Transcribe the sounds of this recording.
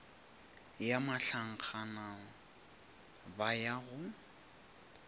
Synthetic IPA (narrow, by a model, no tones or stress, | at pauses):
jamaɬaŋ̩k͡xʰana | bajaɣʊ